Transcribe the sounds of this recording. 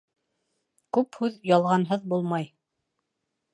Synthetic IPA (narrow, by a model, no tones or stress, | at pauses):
kʉphʉðjɑlˠʁɑnɦɤðbulˠmɑj